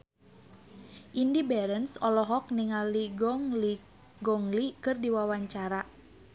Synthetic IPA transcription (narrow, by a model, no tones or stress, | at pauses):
ʔindibɛɾənsɔlɔɦɔk̚niŋaliɡɔli | ɡɔŋlikɨrdiwawaɲt͡ʃaɾa